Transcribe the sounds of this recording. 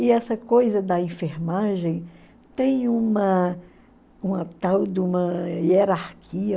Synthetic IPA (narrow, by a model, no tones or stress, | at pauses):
ɪɛsɐkojzɐd̪ɐẽfeɾmaʒẽj̃ | t̪ẽj̃ũmɐ | ũmɐt̪awd̪ũmɐieɾaɾkʰiɐ